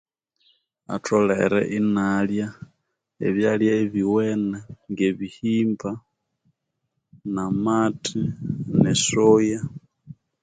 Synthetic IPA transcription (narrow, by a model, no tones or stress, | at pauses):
a̰tʰoleɾḛʔinalja | eβjaljaeβiwenaŋɡeβihimba | namatʰinesoja